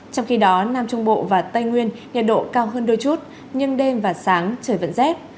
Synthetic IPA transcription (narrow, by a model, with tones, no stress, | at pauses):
t͡ɕɔ˧wŋ͡mxi˧ɗɔ˨˦naː˧mt͡ɕʊ˧ŋ͡mɓo̰˧˨vaː˨˩t̪ə˧jŋwi˧ənɲə˨˩t̚ɗo̰˧˨kaː˧wɦəː˧nɗɨ˧jt͡ɕu˦˥t̚ | ɲɨ˧ŋɗe˧mvaː˨˩saː˨˦ŋt͡ɕəː˧˩jvə̰˧˨nzɛ˦˥p̚